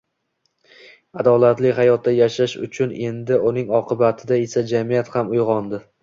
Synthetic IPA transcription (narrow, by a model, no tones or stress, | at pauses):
ad̪ɒlˠat̪lɪɦajɒt̪̚ːajaʃaʃʊ̰t͡ʃʰʊne̞nd̪ɪʊnɪŋɒqʰɨbat̪ʰɪd̪ae̞sad͡ʒamijat̪hamʊjʁɒnd̪ɪ